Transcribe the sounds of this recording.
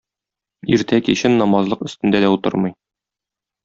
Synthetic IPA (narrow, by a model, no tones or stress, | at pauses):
iɾt̪ækiɕɘnːɒmɑzlˠɤqɵ̆st̪ɘ̆nd̪æd̪æut̪ɤ̰ɾmɤj